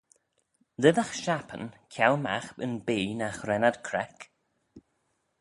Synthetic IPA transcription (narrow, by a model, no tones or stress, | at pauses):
lɪðaxʃapʰə̰nkʰjawma̰xbənbiːnaxɾɛnad̪kʰɾɛk